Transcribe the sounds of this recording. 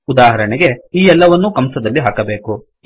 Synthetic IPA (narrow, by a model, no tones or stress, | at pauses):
ud̪aːɦɐɾɐɳɛɡe̞iːɛlːɐʋɐnːukɐmsɐd̪ɐlːiɦaːkɐbeːku